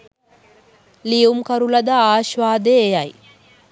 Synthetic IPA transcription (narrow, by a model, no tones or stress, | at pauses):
liumkɐɾulɐd̪əaːʃʋaːd̪eːjɐj